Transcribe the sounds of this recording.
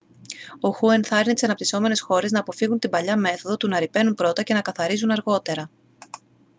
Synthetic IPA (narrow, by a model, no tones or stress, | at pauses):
o̞xue̞nθɐɾinit̪isɐnɐpt̪iso̞me̞ne̞sxo̞ɾe̞znɐːpo̞fiɣunt̪imbɐʎɐme̞θo̞ðo̞t̪unɐɾipe̞numpɾo̞t̪ɐce̞nɐkɐθɐɾizunɐɾɣo̞t̪e̞ɾɐ